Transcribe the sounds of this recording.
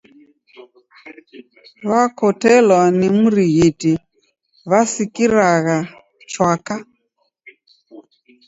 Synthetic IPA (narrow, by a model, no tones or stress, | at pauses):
βakɔtɛlwanimuɾiɣiti | βasikiɾaɣa | t͡ʃwaka